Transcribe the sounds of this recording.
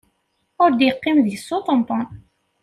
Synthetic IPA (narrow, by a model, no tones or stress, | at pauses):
ʊɾd̪jəqːimðjəsːot̪ˤənt̪ˤɑn